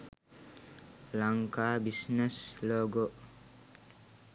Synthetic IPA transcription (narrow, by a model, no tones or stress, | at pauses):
laŋkaːbisnɛsloːɡoʔ